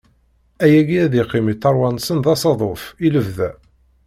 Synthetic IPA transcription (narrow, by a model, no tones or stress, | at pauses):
æjæɡiæðiqːɪmiθɑɾˤwɑnsənðɑsɑðˤofiləvðæ